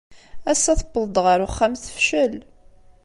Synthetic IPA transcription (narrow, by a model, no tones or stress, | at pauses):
æsːæθəbːəðˤd̪ˤʁəɾʊχːæmθə̥fʃəl